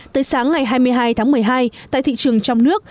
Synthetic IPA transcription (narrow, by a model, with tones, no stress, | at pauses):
t̪əː˨˦jsaː˨˦ŋːa˨˩jɦaː˧jmɨ˧əjɦaː˧jt̪ʰaː˨˦ŋmɨ˨˩əjɦaː˧jt̪a̰ː˧˨t̪ḭ˧˨t͡ɕɨ˨˩əŋt͡ɕɔ˧wŋ͡mnɨ˦˥ək̚